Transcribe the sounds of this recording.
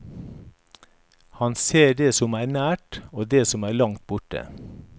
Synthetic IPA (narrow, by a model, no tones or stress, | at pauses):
hɑnseːɖeːsɔmæːɳæːʈoːd̪eːsɔmæːɭɑŋt̪̚bʊʈə̰